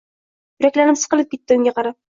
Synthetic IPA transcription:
jʊɾakʲlanɪmsɨ̥qɨlˠɪp̚ʲʰet̪ːɪʊŋʲɡaqʰɑɾap̚

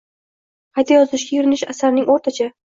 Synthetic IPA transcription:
qʰɑjt̪ʰajɒzɪʃɡʲajʊɾɪnɪʃasaɾnɪŋoɾt̪ʰat͡ʃʰa

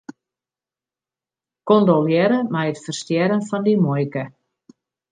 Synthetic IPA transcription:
kondɔljɛɾəmɛjətfərstjɛɾənfɔndimɔjkə

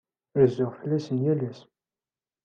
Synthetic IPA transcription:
əɾzʊʁfəlːæsənjælæs

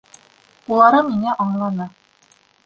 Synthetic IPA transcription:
ulˠɑɾɑmiŋæʔɑɴlˠɑnɑ

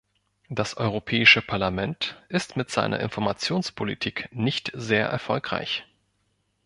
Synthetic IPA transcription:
d̥asʔɔʏʁ̞opʰɛːɪʃəpʰaɐlamɛntʔɪstmɪtz̥aɪnɐ̰ʔɪ̰nfɔɐmat͡sjoːnspʰolitʰiːknɪçtz̥eːɐʔɛ̰ɐfɔlkʁ̥a̰ɪç

